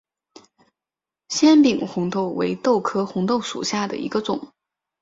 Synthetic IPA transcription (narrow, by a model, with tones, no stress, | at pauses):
ɕjɛ˥npi˨˩ŋxʊ˧˥ŋt̪ʰo˥˩ʊwḛ˧˥ɪt̪o˥˩ʊkʰɤ˥xʊ˧˥ŋt̪o˥˩ʊʂṵ˨˩ɕja˥˩d̪ə̰˩ḭ˧˥ɡə˧t͡sʊ˨˩˦ŋ